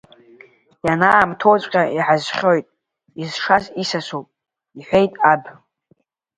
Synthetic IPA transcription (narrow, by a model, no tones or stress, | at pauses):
janaːmtʰo̞wt͡sʷʼqʲʼaiħazχʲo̞jtʼ | izʂazisasowpʼ | iħʷejtʼab